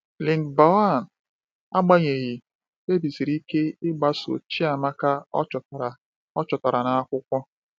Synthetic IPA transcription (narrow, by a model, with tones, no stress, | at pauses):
li˨ŋ˨ba˨wa˦˨n | a˦ɡ͡ba˦ɲe˨ɣi˨ | e˦bi˨zi˨ɾi˦ke˦ɪ˦ɡ͡ba˦so̰˨t͡ʃi˦a˨ma˦ka˦ɔ̰˦t͡ʃɔ˨tɾ | ɔ˦t͡ʃɔ˨ta˨ɾa˨na˨a˦kʷʊ˦kʷɔ˦